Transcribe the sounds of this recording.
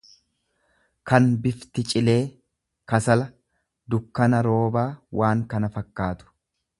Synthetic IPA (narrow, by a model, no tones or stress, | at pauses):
kɐnbɪft̪ɪt͡ʃʼɪle̞ː | kɐsɐlɐ | d̪ʊkːɐnɐɾo̞ːbaːwʔaːŋkɐnɐfɐkːaːt̪ʊ̥